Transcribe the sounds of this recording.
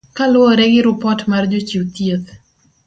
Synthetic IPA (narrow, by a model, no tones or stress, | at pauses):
kalʊɔɾɛɡɪɾʊpɔtmard͡ʒot͡ʃiwt̪jet̪